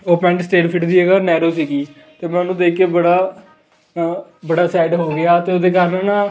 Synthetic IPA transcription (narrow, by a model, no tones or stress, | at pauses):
oːpɛ̃ːɳʈsʈeːʈpʰɪʈd̪iːɛɡaːnɛːɾoːsiːɡiː | t̪eːmɛ̃ːnũːd̪eːkːeːbəɽaː | bəɽaːsaːɪɖɦoːɡɪaːt̪eːʊd̪eːkaːɾnːnãː